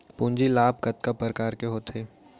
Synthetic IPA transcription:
pũːɲd͡ʒilaːb̚kɐt̪kapəɾkaːɾkeɦoːt̪ʰeː

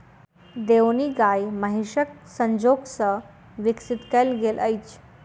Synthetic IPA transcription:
d̪ewniɡajməɦiʂək̚səɲd͡ʑoɡsə | ʋiksit̪kəlɡelʔəjt͡ɕ

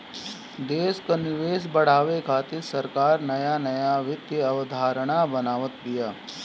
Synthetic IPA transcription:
d̪eːskanɪʋeːs̬bɐɽ̤aːʋekʰaːt̪ɪɾsɐɾkaːɾnɐjanɐjaʋɪt̪jəɐʋəd̪ʱaːɾəɽ̃abɐnaːʋət̪bɪjaː

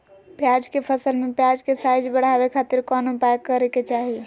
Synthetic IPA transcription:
pjad͡ʒkepʰəsəlmepjad͡ʒkesajd͡ʒbəɽ̤abekʰat̪iɾkɔnopajkːəɾɛket͡ʃaɦi

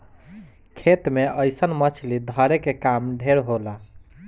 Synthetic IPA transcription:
kʰet̪meəjsənmət͡ʃʰlid̪ʱəɾekekamɖʱeɾɦola

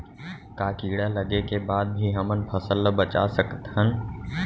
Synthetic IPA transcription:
kaːkiːɽaləɡekebaːd̪̚bʱiɦəmənpʰəsəlːəbət͡ʃa̰səkət̪ɦən

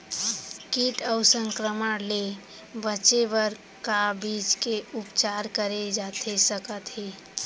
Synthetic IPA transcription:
kiʈəʊsə̃ŋkɾəməle | bəːt͡ʃebəɾ | kabit͡ʃkeʊpt͡ʃaɾkəɾed͡ʒat̪ʰesəkət̪ɦeː

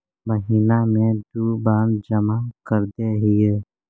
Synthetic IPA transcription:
məɦiːnamẽd̪uːbaːnd͡ʒəmakəɾd̪eɦijeː

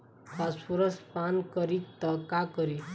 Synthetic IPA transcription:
kaspuɾəspankəɾik̚t̪əkakəɾi

